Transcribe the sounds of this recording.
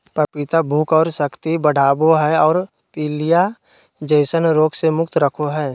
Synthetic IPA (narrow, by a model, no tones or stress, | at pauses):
pɾəpɪt̪abʱuːkɔːɾsəkt̪ibəɽ̤ʱaːboɦɛɔːɾ | piːlija | d͡ʒəɪsənɾoːksemʊkt̪ɾəkʰoɦɛː